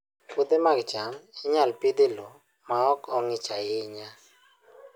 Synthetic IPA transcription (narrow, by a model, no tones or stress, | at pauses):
pud̪emaɡt͡ʃamɪɲalpid̪elo | maɔkɔŋɪt͡ʃajɪɲa